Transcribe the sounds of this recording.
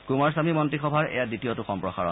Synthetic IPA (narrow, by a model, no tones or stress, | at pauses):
kumaɹs̬amimɔntɹixɔbʱaɹɛ̰jaditijotuxɔmpɹɔxa̰ɹɔ̰n